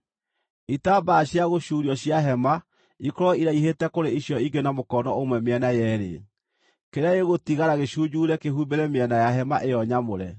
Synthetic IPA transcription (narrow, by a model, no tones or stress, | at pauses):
itaːbaɕjaɣoɕuːɾiɔɕjaɦɛma | ikɔɾɔiɾaiɦetɛkoɾeiɕjɔiɡenamokɔnɔomwɛmɛnajɛɾḛ | keɾaeɣotiɣaɾaɣeɕuːd͡ʑuɾɛkeɦubeɾɛmeɛnajaɦɛmaʔejɔɲamoɾɛ